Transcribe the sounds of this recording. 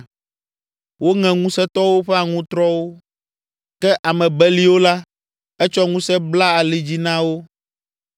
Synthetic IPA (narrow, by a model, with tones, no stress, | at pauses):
wo˦ŋɛ̃˨ŋũ˦sɛ˦t̪ɔ˦wo˦ɸɛ˦a˨ŋũ˦t̪ɾɔ˦wo˦ | kɛ˦ʔa˨mɛ̃˨bɛ˦li˦wo˦la˦ | ɛ˦t͡ʃɔ˦ŋũ˦sɛ˦bla˦a˨li˨d͡ʑi˦nã˦wo˦